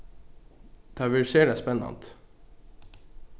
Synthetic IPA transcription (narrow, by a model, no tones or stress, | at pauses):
d̪̥ʰɑʋɪlʃeːɖeːspɛnɑ̰nt̪